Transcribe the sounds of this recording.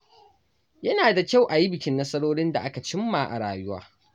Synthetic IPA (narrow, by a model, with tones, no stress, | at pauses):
jɐ˦naː˨da˨kʲa˦˨wʔa˨ji˦bɪ˨kʲɪ˦nːɐ˦sɐ˦ɽoː˦ɽɪ˦nda˨ʔa˦ka˨t͡ʃɪ˦mːaː˨ʔa̰˨ɽaː˨jʊ˦wa̰ː˦